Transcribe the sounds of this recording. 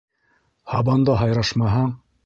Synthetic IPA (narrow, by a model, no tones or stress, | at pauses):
hɑbɑnd̪ɑɦɑjɾɑʃmɑɦɑɴ